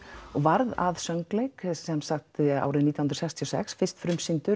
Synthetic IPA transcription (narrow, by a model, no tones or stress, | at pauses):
ɔɣvaɾða̰ðsœŋklejksɛmsakt̪a̰ːwɾɪðniːahnɾsɛkst̪ʰiɔsɛ̰ksfɪr̥st̪fɾʏmsint̪ʏ